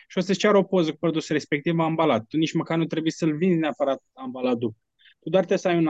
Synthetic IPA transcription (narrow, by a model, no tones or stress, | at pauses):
ʃiosət͡ʃʲaɾo̞pozəkupɾod̪usɾe̞spe̞k̚t̪ivaːmbalat̪̚ːunit͡ʃməkarnut̪ɾebujsəlvinzʲneapəɾat̪̚ambalat̪̚d̪up | t̪ud̪oart̪esəajun